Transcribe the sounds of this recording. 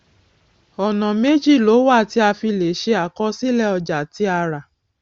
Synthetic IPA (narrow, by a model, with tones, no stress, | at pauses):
ɔ˨nɔ̃˨me˦d͡ʒi˦˨lo˨˦wa˦˨ti˧˦a˧fi˧le˨˦ʃe˧˦a˨kɔ˧˦si˦lɛ˦˨ɔ˧d͡ʒa˨ti˨˦a˧ɾa˨